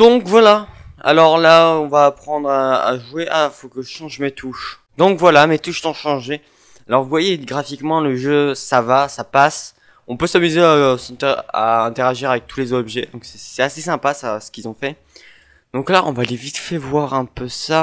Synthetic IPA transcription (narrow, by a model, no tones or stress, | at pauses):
d̪̥ɔ̃kvwalaa̰lɔʁlaɔ̃vaːpχɑ̃d̪ʁa̰ːʒweʔafokəʒəʃɑ̃ʒmet̪ʰuʃ | d̪ɔ̃kvwalamet̪uʃsɔ̃ʃɑ̃ʒe | alɔʁvuvwajeɡʁafikmɑ̃ləʒøsavasapas | ɔ̃pøsamyzeaosɑ̃t̪ɛa̰ɛ̃t̪eʁaʒiʁavɛk̚t̪ʰulezɔbʒɛd̪ɔ̃ksɛ̥sɛasesɛ̃pasasə̥kʲilzɔ̃fɛ | d̪̥ɔ̃klaʔɔ̃vaːlevit̪fɛvwaʁɛ̃pøsa